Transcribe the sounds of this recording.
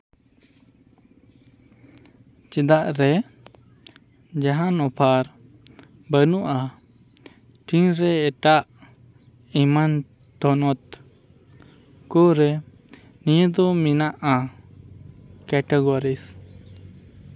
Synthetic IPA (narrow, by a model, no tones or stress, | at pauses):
t͡ʃɛd̪aʔɾɛ | d͡ʒaɦanɔpʰaɾ | bənuʔa | ʈinɾɛɛʈaʔ | iman | t̪ɔnɔt̪ | kɔɾɛ | nijud̪ɔminaʔa | kɛʈɛɡɔɾis